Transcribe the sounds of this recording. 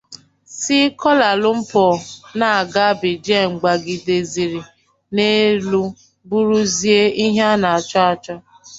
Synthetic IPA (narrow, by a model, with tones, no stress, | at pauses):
si˦kɔ˦la˨lʊ˦m̩˦pɔ˨na˨a˨ɡa˦bɪ˨d͡ʒe˦˨ŋ͡m̩˨ɡ͡ba˨ɡɪ˨de˨zi˨ɾi˨ | ne˦lu˦ | bu˦ɾu˦zi˦e˦i˦ɦa˦na˨a˨t͡ʃɔ˦a˨t͡ʃɔ˦